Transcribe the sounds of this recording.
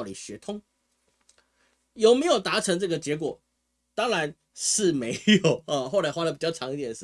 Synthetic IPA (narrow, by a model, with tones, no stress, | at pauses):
ʊlḭ˨˩ɕɥɛ˧˥t̪ʰʊ˥ŋ | jo˨˩ʊme˧˥ɪjo˨ʊt̪a˧˥ʈ͡ʂʰɤ˧˥ŋʈ͡ʂɤ˥˩ɡə˩t͡ɕjɛ˧˥k̬wɔ˨˩ | t̪ɑ˥ŋɻa˧˦n | ʂɻ̩˥˩me˧˥ɪjo˨˩˦ʊə˧xwɔ˥˩la˨˩ɪxwa˥lə˨pi˨˩t͡ɕjɑ˥˩ʊʈ͡ʂʰɑ˧˥ŋi˧˥t̪jɛ˨˩n̩˥˩